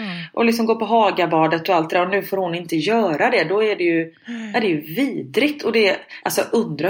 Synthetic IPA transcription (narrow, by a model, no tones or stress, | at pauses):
ʔɔlɪksɔmɡoːpɔɦɑːɡabɑːɖət̪ːɔalt̪d̪əd̪æːɾɔnʉ̟ːfoːɾhʊnɪnt̪əjœːɾad̪ɛd̪ɔæɖɛjɵ | ʔæɖɛjɵviːd̪ɾɪɡt̪ʰɔd̪ɛ | ʔalsɔʔɵnd̪ɾa